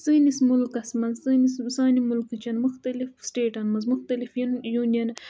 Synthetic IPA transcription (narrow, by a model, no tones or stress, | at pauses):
st̪ɨnismulkɐsmɐnsɨnissɑːnimulkɨt͡ʃɐnmuxt̪ɐlifsʈeːʈɐnmɐz̬muxt̪alifnjunjɐn